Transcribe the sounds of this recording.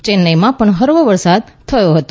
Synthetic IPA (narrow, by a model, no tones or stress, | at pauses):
t͡ʃenːəjmãpəɳɦəɾʋəʋəɾsad̪̚t̪ʰəjoɦət̪o